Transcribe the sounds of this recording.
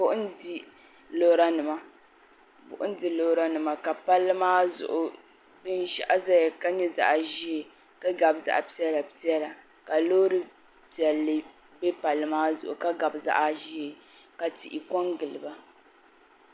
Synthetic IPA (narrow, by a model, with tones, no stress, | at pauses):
bʊ˦ʔʊ˦n˦di˨ | lo˦ɾa˦nɨ˨ma˦ | bʊ̰˨ʔʊ˦n˦di˨lo˦hɾa˦nɨ˨ma˨ka˨pa˦lːɨ˦maː˦zʊ̰˨ʔʊ˨ | bɨ˦n˦ʃa̰˦ʔa˦za˦ja˨ka˦ɲɛ˦za̰˨ʔʒi˦e˨ | ka˦ɡa˨bza̰˨ʔpi˦ɛ˦la˨pi˦ɛ˦la˨ | ka˨lo˦ɾɨ˦ | pi˨ɛ˨lːɨ˦ | bɛ˦pa˨lːɨ˦maː˦zʊ˨ʔʊ˨ka˦ɡa˨bza̰˦ʔa˦ʒi˦e˨ | ka˨tḭ˨ʔɪ˨kɔ˦ŋɡɨ˨lɨ˨ba˦